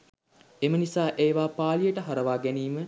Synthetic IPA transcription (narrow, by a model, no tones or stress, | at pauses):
emənisaːʔeːʋaːpaːlijəʈəɦɐɾəʋaːɡæniːmə